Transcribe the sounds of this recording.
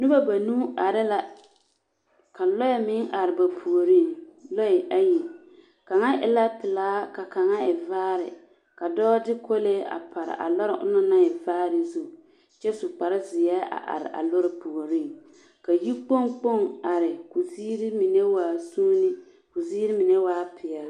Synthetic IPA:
nʊ˦ba˦ba˨nu˦a˨ɾɪ˦la˨ | ka˨lɔ˦ɪ˨mɪ˦ŋʔa˨ɾɪ˨ba˨pʰu˨o˨ɾi˦˨ŋlɔ˦ɛ˨ʔa˦ji˨ | ka˨ŋa˦ʔɪ̰˨la˦pɪ˨laː˦ka˨ka˨ŋa˦ɪ˨vaː˦ɾɪ̰˨ | ka˨dɔː˦dɪ˦kʰo˦leː˦ʔa̰˨pʰa˨ɾɪ̰˨ʔa̰˨lɔ˦ɾɪ˦ʔʊ̰˦nʊ˦na˦ɛ˨vaː˦ɾɪ˨zu˦˨ | t͡ʃɛ˦sʊ˨k͡pa˨ɾɪ˦zɪ˨jɛː˦a̰˨ʔa̰˨ɾɪ̰˨ʔa̰˨lʊ˦ɾɪ˦pu˨o˨ɾi˦˨ŋ | ka˨ji˦k͡po˦ŋk͡po˦˨ŋa˨ɾɪ˨kʊ˨ziː˦ɾi˦mi˨nɛ˦waː˦˨suː˦nɪ˦ | kʊ˨ziː˦ɾi˦mɪ˨nɛ˦waː˦pʰɪ˨a˨˦

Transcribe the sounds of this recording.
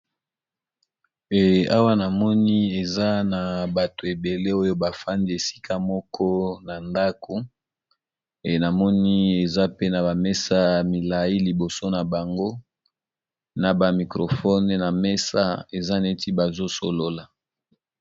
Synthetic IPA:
ɛ˨a˦wa˦na˨mɔ˦ni˦e˨za˦na˨ba˨to˨e˨be˨le˦o˦jo˦ba˨fa˦ndi˦e˨si̥˦kʰa˦mɔ˦kʰɔ˦na˨nda˦kʰo˨ | e˨na˨mɔ˦ni˦e˨za˦pe˦na˨ba˨mɛ˦sa˦mi˨la˨ji˦li˨bo˨so˦na˨ba˨ŋɡo˦ | na˨ba˨mi˨kʁo˨fɔ˦n˨na˨mɛ˦sa˦e˨za˦ne˦ti˦ba˨zo˦so˨lo˦la˨

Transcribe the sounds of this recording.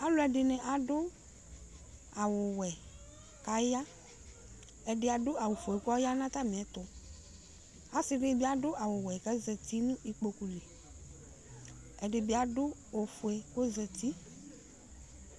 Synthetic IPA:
a˦lʊ˦ɛ˨dɪ˨nɪ˨ʔa˨dʊ˦ | a˨wʊ˨wɛ˨ | ka˦ja˦ | ɛ˨dɪ˨a˨dʊ˦a˨wʊ˨fu˨e˨kʊ˦a˦ja˦nã˦t̪a˦mɪ̃˨ɛ˨˦t̪ʊ˨ | a˨sɪ˦ɖɪ˦bɪ˦a˨dʊ˦ʔa˨wʊ˨wɛ˨kɛ˦zɛ˨t̪i˦nʊ̃˦i˨k͡po˨ku˨le˨ | ɛ˨dɪ˨bɪ˨˦a˨dʊ˦o˨fu˨e˨kʊ˦zɛ˨t̪i˦

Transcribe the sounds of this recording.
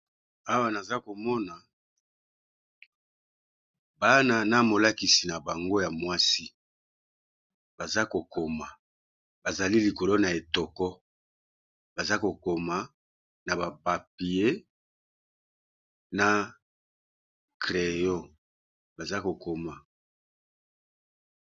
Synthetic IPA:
a˦wa˦na˨za˦ko˨mɔ˦na˨ | ba˦na˨na˦mo˨la˦ki˨si˨na˨ba˨ŋɡo˦ja˨mwa˦si˦ | b̥a˨za˦ko˨ko˨ma˨ | ba˨za˨li˦li˨ko˨lo˦na˨e˨tɔ˨kɔ˦ | ba˨za˦ko˨ko˨ma˨ | na˨ba˨pa˨p̚i˨e˦ | na˨ | kʁe˨jɔ˦ | ba˨za˦ko˨ko˨ma˨

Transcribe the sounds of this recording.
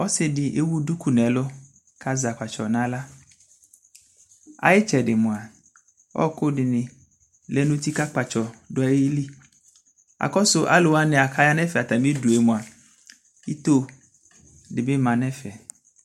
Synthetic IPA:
ɔ˦sɪ˦dɪ˨ʔe˦wu˦du˦ku˦nɛ̃˨lo˦ | ka˦za˨k͡pa˨t͡ʃɔ˨nã˦la˦ | a̰˨jɪ˦t͡ʃɛ˨dɪ˨mũ˨a˨ | wɔ̰˦ko˦ɖɪ˨nɪ̃˨ | lɛ˦nũ˦t̪i˦ka˦k͡pa˨t͡ʃɔ˨ɖɔ˨e˦ji˦li˦ | a̰˨kɔ˦sʊ˦ʔa̰˦lo˨wa˦nɛ̃˨a˨ka˦ja˦nɛ̃˦fɛ˨a˨t̪a˨mĩ˦du˨e˨mũ˨a˨ | i˦t̪o˦ | dɪ˨be˦mã˨nɛ̃˦fɛ˨

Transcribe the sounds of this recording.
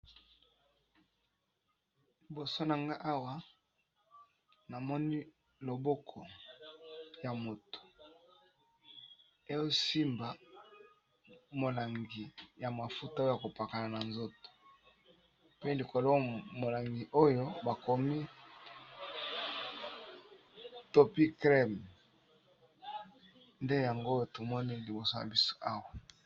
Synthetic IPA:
li˨bo˨so˦na˨ŋɡa˦ʔa˦wa˦ | na˨mɔ˦ni˦ | lo˨bo˦kʰɔ˨ | ja˨mo˨to̥˨ | e˦jo˦si˦mba˨ | mo˨la˨ŋɡi˨ja˨ma˨fu˦ta˦˨a˨ko˨pa˨ka˨na˨na˨nzo˦to̥˨ | pe˦li˨ko˨lo˦mo˨la˨ŋɡi˨ʔo˦jo˦ba˨ko˨mi˦ | to˦pi˦kʁɛ˦m | nde˦ja˨ŋɡo˦o˦to˨mɔ˦ni˦li˨bo˨so˦ja̰˨bi˦so̥˦ʔa˦wa˨

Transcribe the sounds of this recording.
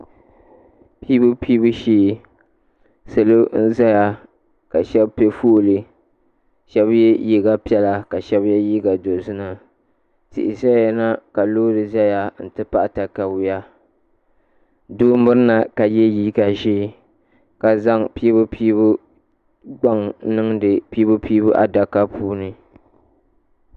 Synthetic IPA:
piː˦bʊ˦pʰiː˦bu˦ʃiː˦˨ | sɨ˨lo˦n̩˦za˦ja˨ | ka˨ʃɛ˦bpe˦fu˦ʔlɨ˨ | ʃɛ˦bjɛ˦ji˦ɡa˦pi˦ɛ˦la˦ka˨ʃɛ˦bjɛ˦jiː˦ɡa˨do˨zʊ˦nɨ˨ | tɪ̰˨ʔɪ˨sa˦jɛ˨na˦ka˨loː˦dɨ˨za˦ja˦n̩˨tɨ˦pa˦˨ʔta˨ka˨bʊ˦ja˦ | doː˦m̩˦bʊ˦ɾɨ˦na˨ka˨jɛ˦jiː˦ka˨ʒiː˦˨ | ka˨za˦ŋpi˦bʊ˦pʰiː˦bʊ˦ | ɡ͡ba˦ŋnɨ˦ŋdɨ˨pi˦bʊ˦piː˦bu˦ʔa̰˨da˨ka˦pʰuː˦nɨ˨

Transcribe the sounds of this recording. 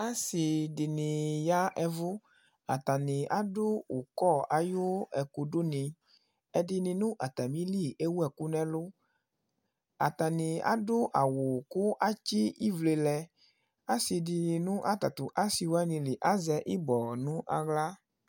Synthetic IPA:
a˦si˨di˨nĩ˨ja˦ɛ˨vu˦ | a̰˨t̪a˨nĩ˨ʔa˦dʊ˦o˨kɔ˦a˨jo˦ɛ˨ku˨ɖo˦nĩ˨ | ɛ˨di˨nĩ˨nũ˦ʔa˨t̪a˨mĩ˦li˦˨e˦wu˦ɛ˨ku˦nɛ̃˦lʊ˦ | a̰˨t̪a˨nĩ˨a̰˦dʊ˦ʔa˨wo˨ku˦ʔa˦t͡ʃi˦i˦vle˨lɛ˨ | a˦si˨di˨nũ˦ʔa˦t̪a˨t̪u˨ʔa˦si˨wo˦ɛ˦nĩ˨li˨ʔa˦zɛ˦ʔi˦bɔ˨nũ˦ʔa̰˨ɡla˦

